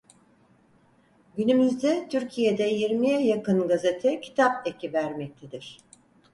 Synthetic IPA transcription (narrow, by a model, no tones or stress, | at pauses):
ɟynymyzd̪ɛt̪ʰyɾcʰijed̪ɛjiɾmijɛjakɯnɡaze̞t̪ʰɛcʰi̥t̪ʰap̚ecʰivæɾmɛc̚t̪ʰed̪iɾ̥